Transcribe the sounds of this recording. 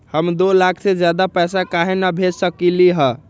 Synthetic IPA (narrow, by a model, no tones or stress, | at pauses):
həmd̪olakʰsed͡ʒjad̪apɛsakaɦenabʱesəkiliɦə